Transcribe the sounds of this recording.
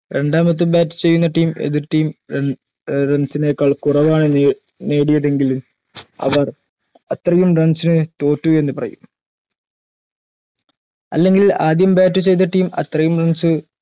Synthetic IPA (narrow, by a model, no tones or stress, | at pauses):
ɾe̞ɳɖaːmɐt̪̬ːubaːtːu̥t͡ɕe̞jːunːɐʈiːme̞̰ðiʈːiːm | rɐnsinekːaːɭkurɐʋaːɳɨ | ne̞ːɽujɐðe̞ŋɡilum | ɐ̰ʋɐr | ɐt̪rɐjumɖrɐnsinɨt̪o̞ːtːue̞nːɨpɐrɐ̰jum | ɐ̰lːe̞ŋɡilaːd̪jɐmbaːtːut͡ɕe̞jt̪ːɐʈːiːmɐ̰t̪rɐjumrɐnsɨ